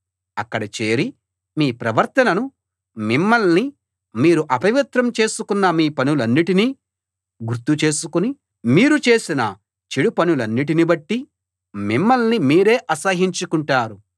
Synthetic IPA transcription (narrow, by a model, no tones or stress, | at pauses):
ɐkːɐɽɐt͡ʃe̞ːɾi | miːpɾɐʋɐɾt̪ɐnɐnu | mimːɐlni | miːɾuʔɐpɐʋit̪ɾɐmt͡ʃe̞ːsukunːɐmiːpɐnulɐnːiʈini | ɡuɾt̪ut͡ʃe̞ːsukuni | miːɾut͡ʃe̞ːsinɐ̰ | t͡ʃeɽupɐnulɐnːiʈ̬inibɐʈːi | mimːɐlnimiːɾe̞ːʔɐsɐɦiɲt͡ʃukuɳʈaːɾu